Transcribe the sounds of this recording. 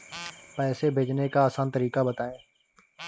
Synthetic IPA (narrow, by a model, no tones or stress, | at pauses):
pɛːseːbʱeːd͡ʒnekaːsaːnt̪əɾiːkabət̪aːẽː